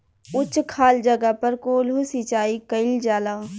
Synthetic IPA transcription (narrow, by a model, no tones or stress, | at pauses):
ʊt͡ʃkʰaːld͡ʒɐɡəpɐɾkoːlɦʊsit͡ʃaːikɐɪld͡ʒaːlaː